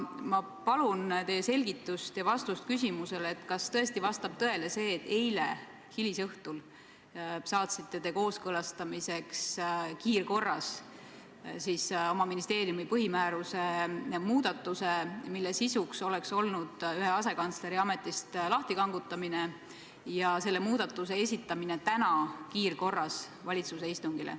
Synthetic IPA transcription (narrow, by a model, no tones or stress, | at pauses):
mɑ | pɑlunt̪e̞jːese̞lʲɡ̥it̪ːˑust̪jɑvɑst̪ust̪̚kys̬ʲimuse̞let̪ːˑkɑst̪ɤ̞e̞st̪ivɑst̪ɑb̥̚t̪ɤe̞le̞se̞ːt̪ːe̞jlḛ | hilisɤht̪ul | sɑːt̪sit̪ˑːe̞t̪e̞ko̞ːskɤlɑst̪ɑmise̞kskiːrko̞rːɑs | siːso̞mɑminist̪e̞ːɾijumipɤɦimæːɾuse̞muːd̪̥ɑt̪ːˑusemilːesisukso̞lekso̞lnud̪̥yɦe̞ɑse̞kɑnt̪sle̞ɾiɑme̞t̪ːˑist̪lɑht̪ikɑŋɡut̪ˑːɑmine̞ | jɑse̞lːemuːd̪̥ɑt̪ːˑus̬e̞e̞sʲit̪ːˑɑmine̞t̪ænɑkiːrko̞rːɑs | vɑlʲit̪suse̞ist̪uŋɡilḛ